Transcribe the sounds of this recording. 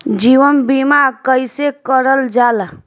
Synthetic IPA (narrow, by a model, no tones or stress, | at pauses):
d͡ʒiʋənbimakəjsekəɾəld͡ʒal